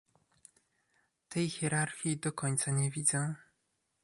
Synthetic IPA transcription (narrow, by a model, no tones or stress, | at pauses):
t̪ʰɛjxʲjɛɾaɾxʲid̪ɔkɔɲt̪saɲɛvʲid̪zɛ